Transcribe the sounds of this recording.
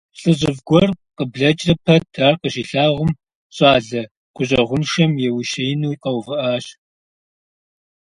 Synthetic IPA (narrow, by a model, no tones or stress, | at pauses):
ɬʼɨʑɪvɡʷɔrqəbɮɐt͡ʃʼrɐpʰɐtʰaːrqəɕiːɬaːʁʷʊm | ɕʼɑːɮɐ | ɡ̥ʷʼʊɕʼɐʁʷʊnʃɐmjɛwiʃɐjnuːiqɐwvɨʔaːɕ